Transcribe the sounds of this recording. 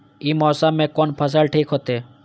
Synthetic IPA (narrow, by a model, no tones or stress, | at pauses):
iːmɔːsamẽkoːnpʰəs̬əlʈʰiːkɦot̪eː